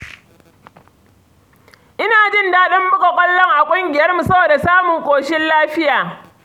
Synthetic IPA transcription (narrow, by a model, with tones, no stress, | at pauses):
ʔɪ˦naː˨d͡ʒɪ˦ndaː˦ɗɐ˦mːʊ˦ka˨kʷʼɐ˦lːɐ˦ŋʔa˨kʷʼʊ˦ŋɡʲɪ˨jɐ˦rmu˨sɐ˦boː˨da˨saː˦mʊ˨ŋkʷoː˨ʃɪ˦nlaː˦ɸɪ˦jaː˨